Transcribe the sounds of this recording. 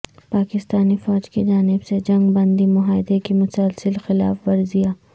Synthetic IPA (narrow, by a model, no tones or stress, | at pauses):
paːkɪst̪aːnifɔːd͡ʒkid͡ʒaːnɪbsed͡ʒɐ̃ŋɡbɐ̃nd̪imʊɦaːɪd̪ekimʊsəlsɪlxɪla̰ːfʋɐɾzijaː